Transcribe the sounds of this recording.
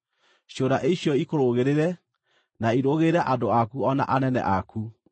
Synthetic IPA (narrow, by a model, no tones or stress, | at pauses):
ɕjoːɾaʔeiɕjɔikoɾoɣeɾeɾɛ | naiɾoɣeɾɛʔadoakuɔna̰ʔanɛnɛ̰ʔaku